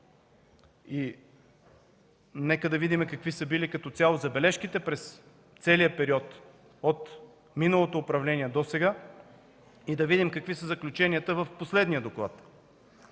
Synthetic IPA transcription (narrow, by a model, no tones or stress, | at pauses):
i | nɛkəd̪ɐvid̪imɛkɐkvisəbilikɐt̪ɔt̪sʲjalˠozɐbɛlɛʃkit̪ɛpɾɛs | t̪sɛliəpɛɾiɔt̪ | ot̪ | minəlˠot̪oːpɾɐvlɛnʲiɛd̪osɛɡa | id̪ɐvid̪imkɐkvisəzɐklʲut͡ʃɛniət̪əvəfposlɛd̪nijəd̪oklˠa̰t̪